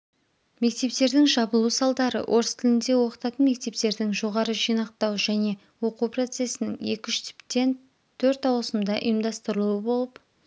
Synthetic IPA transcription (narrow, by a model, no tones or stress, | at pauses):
me̞kt̪e̞p̚t̪e̞ɾd̪ɪŋʒɑbəlˠusɑlˠd̪ɑɾə̰ʔo̞ɾəst̪ʰɪlɪnd̪e̞wo̞qə̥t̪ɑt̪ənme̞k̚t̪e̞p̚t̪e̞ɾd̪ɪŋʒo̞ʁɑɾəʒijnɑqt̪ɑwʒæne̞ | wo̞qupro̞t̪se̞sɪnɪŋe̞̰kʲɪʏʃt̪ɪ̥pt̪ːe̞n | t̪ʰɵɾt̪ɑwlˠəsəmd̪ɑʔʊ̰jəmd̪ɑst̪əɾəlˠuəbo̞lˠəp